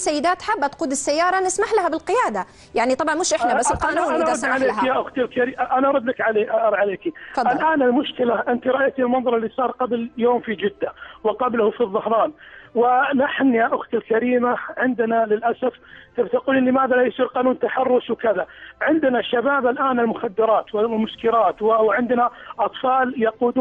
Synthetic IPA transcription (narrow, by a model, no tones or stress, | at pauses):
sːajːɪd̪aːt̪ħabːʔat̪quːd̪ɪsːajːɑːɾˤɑnɪsmaħlahabɪlqɪjaːd̪a | jaʕnit̪ˤɑbʕɑnmʊʃʔɪħnaasːɪlqɑːnuːasʕaleːkjaʔʊxt̪ɪlkaɾiːʔanaʔɑɾˤʊd̪lakʕaleːʔʔɑɾˤʕaleːkifd̪ɪlʔaːnɪlmʊʃkɪlaʔɪnt̪iɾˤɑʔajt̪ilmɑnðˤɑɾˤɪlːisˤɑːɾˤqɑbljoːmfid͡ʒɪd̪ːawɪqɑblhufiðˤːɑhɾˤɑːnwɪnaħnjaʔʊxt̪ɪlkaɾiːmaʕɪnd̪nalɪlʔasaft̪ɪbt̪aquliːnlɪmaːðalajʊsˤiːɾqɑːnuːnt̪aħɑrˤːʊswkɪðaʕɪnd̪naʃːabaːbalʔaːnɪlmʊxad̪ːɪɾˤɑːt̪wɪmʊʃkɪɾɑːt̪wɪwʕɪnd̪naʔɑt̪ˤfɑːljɑquːd̪ː